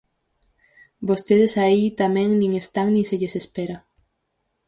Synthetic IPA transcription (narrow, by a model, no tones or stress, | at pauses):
bost̪eð̞esait̪amɛ̃ŋnĩŋest̪aŋnĩseʎesespeɾa